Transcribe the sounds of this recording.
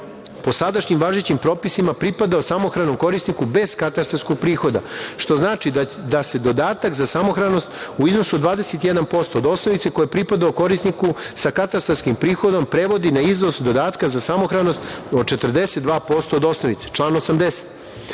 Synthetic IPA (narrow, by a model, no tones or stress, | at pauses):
po̞sad̪aʃɲimʋaːʒet͡ɕimpɾo̞pisimapɾipad̪aosamo̞xɾano̞mko̞ɾisnikube̞z̥kat̪aɾst̪ɾaɾskoɡ̚pɾiːxo̞d̪a̰ʃt̪o̞znaːt͡ʃid̪ase̞d̪o̞d̪aːt̪akzasamo̞xɾano̞st̪uizno̞suod̪ʋaːd̪eset̪ijed̪ampo̞st̪oːd̪o̞snoʋit̪se̞ko̞jepɾipad̪aoko̞ɾisnikusakat̪ast̪ɾaskimpɾiːxo̞d̪o̞mpɾeʋo̞d̪inaiznosd̪o̞d̪aːt̪kazasamo̞xɾano̞st̪ot͡ʃe̞t̪r̩d̪eset̪d̪ʋaːpo̞st̪oːd̪o̞snoʋit̪se̥t͡ʃlˠaːnosamd̪ese̥t̪